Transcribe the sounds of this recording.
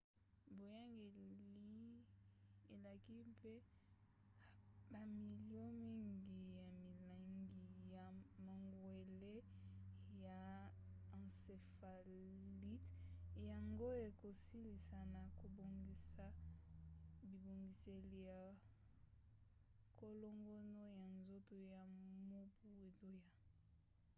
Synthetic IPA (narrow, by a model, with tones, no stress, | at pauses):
bo˨ja˦ŋɡe˨li˦ | e˨la˨ki˦pe˦ | ba˨mi˨ljo˦mi˦ŋɡi˨ja˨mi˨la˨ŋɡi˨ja˨ma˨ŋɡwe˨le˦ | ja˨ | ã˨nse˨fa˨ | li˦tja˨ŋɡo˦e˨ko˨si˦li˨sa˨na˨ko˨bo˨ŋɡi˨sa˦ | bi˨bo˨ŋɡi˨se˨li˨ja˨ | ko˦lo˦ŋɡo˦no˦ja˨nzo˦to˨ja˨mo˦pu˦e˨zo˦ja˨